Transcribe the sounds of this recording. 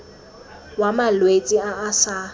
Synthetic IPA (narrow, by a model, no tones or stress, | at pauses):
wamalwet͡sʼiaʔːsa